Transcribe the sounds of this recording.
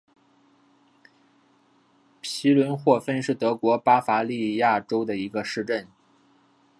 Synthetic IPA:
pʰi˧˥lwə˧˥nxwɔ˥˧fə˥nʂɻ̩˥˩t̪ɤ˧˥kwɔ˧˥pa˥fa˧˥li˥˧ja˥˩ʈ͡ʂo˥ʊd̪ə˨i˧˥ɡə˧ʂɻ̩˥˧ʈ͡ʂə˥˩n

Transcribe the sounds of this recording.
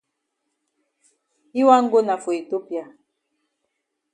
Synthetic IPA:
i˦wa˦ŋ̩˦ɡo˦na˨fo˨i˨to˦pja˨

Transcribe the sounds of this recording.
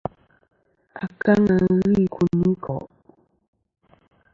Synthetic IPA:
a˨ka˦ŋa˨ɣi˦˨kʰu˨ni˦kʰɔ̰˨ʔ

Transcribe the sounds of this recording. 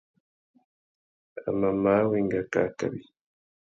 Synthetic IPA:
a̰˨ma˨ma˦weŋɡa˨ka̰˨˦ka̰˨βi

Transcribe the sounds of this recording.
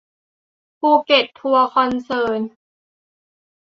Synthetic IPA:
pʰuː˧˩ke˨˩t̪ʰːu˧ɐkʰɔ˧˥nsɤː˧n

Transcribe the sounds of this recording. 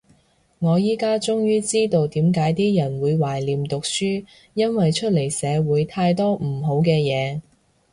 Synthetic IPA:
ŋɔː˨˧jiː˥kaː˥t͡sʊ˥ŋjyː˥t͡siː˥t̪o˧wt̪iː˨˥mk̬aː˨˥jt̪iː˥jɐ˨˩nwuː˨˧jwaː˨˩jliː˨mt̪ʊ˨k̚syː˥ | jɐ˥nwɐ˨jt͡ʃʰɵ˥t̚le˨˩jsɛː˨˧wuː˨˧jt̪ʰaː˧jt̪ɔː˥m̩˨˩ɦo˨˥wkɛː˧jɛː˨˧

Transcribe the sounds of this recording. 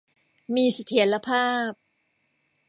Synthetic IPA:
miː˧sa˧t̪ʰi˩˦nɾa˧pʰaː˥˩p̚

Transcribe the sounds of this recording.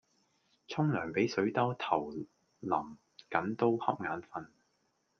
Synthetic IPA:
t͡sʰʊ˥ŋlœː˨˩ŋpe˨˥jsɵ˨˥ɥt̪ɐ˥wt̪ʰɐ˨˩w | lɐ˨˩m | kɐ˨˥nt̪o˥whɐ˥p̚ŋaː˨˥nfɐ˧n

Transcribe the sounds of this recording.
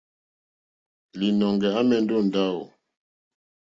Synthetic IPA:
li˨nɔ˨ŋɡɛ˨a˦mɛ˨n˦do˦˨n˨da˦o˨

